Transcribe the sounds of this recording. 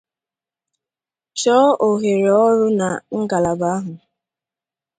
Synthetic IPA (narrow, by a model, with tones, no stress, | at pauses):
t͡ʃɔ˦ʔo˨ɦe˨ɾe˨ɔ˦ɾʊ˦na̰˨ŋ̩˦ɡa˨la˨ba˨˦ɦʊ˨